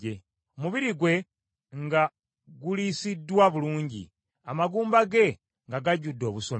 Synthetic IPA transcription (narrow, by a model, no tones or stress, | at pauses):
e | omuβiɾiɡwe̞ | ŋɡa | ɡulisidːwaβuluːɲɟḭ | amaɡuːmbaɡe̞ | ŋɡaɡaɟudːo̞ːβusom